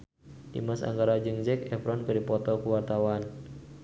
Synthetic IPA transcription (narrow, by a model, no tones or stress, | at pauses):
dḭmasa̰ŋɡaɾad͡ʒɨŋd͡ʒɛkɛpɾɔnkɨrdipɔt̪ɔkuwart̪awan